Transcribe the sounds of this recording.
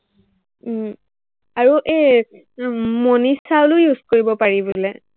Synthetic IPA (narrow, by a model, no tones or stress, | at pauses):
aɹuʔe | monisalʊjuzkoɹibɔpaɹibolɛ